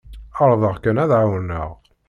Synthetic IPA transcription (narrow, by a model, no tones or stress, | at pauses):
əɾˤðˤəʁkənæðʕawənə̰ʁ